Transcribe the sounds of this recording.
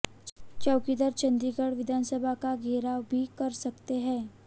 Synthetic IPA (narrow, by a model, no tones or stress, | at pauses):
t͡ʃɐwkid̪əɾt͡ʃɐ̃nd̪ɾikəɽʋɪd̪ʱaːnsəbʱakaɡʱeːɾaːwbʱikɐɾsɐkt̪eɦɛ̃ː